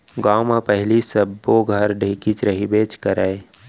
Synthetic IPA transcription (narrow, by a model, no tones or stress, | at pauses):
ɡamapəɦlisəbːoɡʱəɾɖʱikit͡ʃɾəɦibeːt͡ʃkəɾae